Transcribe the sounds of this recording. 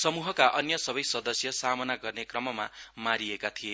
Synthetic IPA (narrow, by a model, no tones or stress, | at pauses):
sʌmuɦʌkaʔʌnjʌsʌbʌjsʌd̪ʌsjʌsamʌnaɡʌrnekrʌmʌmamaɾiekat̪ʰije